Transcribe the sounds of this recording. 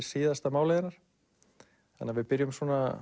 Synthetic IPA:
ɾ̥siːðast̪amaːwleːðɪnaɾ̥ | θanːavɪðpɪɾjʏmswɔːna

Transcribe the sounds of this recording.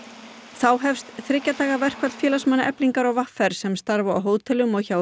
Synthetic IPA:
θawɦɛfst̪θɾɪcːat̪ʰaːɣavɛr̥kʰvat̪fjɛːlasmanːaʔɛpliŋkaɾawvafɛɾ̥sɛmst̪aɾvaa̰wɦoːwt̪ʰɛlʏmɔɣçaw

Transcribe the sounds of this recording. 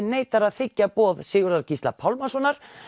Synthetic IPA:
neːjt̪aɾaðθɪcːapɔːðsɪːɣʏɾðaɾcist̪la̰pʰawlmasɔnaɾ̥

